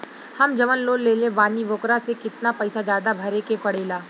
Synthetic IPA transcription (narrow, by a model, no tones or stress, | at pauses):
hɐmd͡ʒɐʋənloːlːeːlẽbaːniʋoːkɾasekɪt̪napɛɪsazjaːd̪abʱɐɾekepɐɽ̤eːlaː